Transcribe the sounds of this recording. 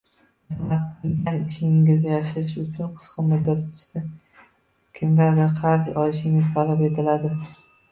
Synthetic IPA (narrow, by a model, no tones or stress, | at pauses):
snat̪̚qʰlɪŋɡʲanɪʃɪŋɪzajaʃɪɾɪʃʊt͡ʃʰʊnqʰɨ̥sqɨmʊd̪ːat̪ɪ̥ʃt̪ɪ | kʲʰɪmɡʲad̪aqʰɑɾzɒlɪʃɪŋɪz̥t̪ʰalape̞t̪ʰɪlad̪ɪ